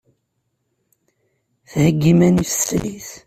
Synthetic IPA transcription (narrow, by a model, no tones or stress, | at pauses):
θhəɡːimænifslḭθ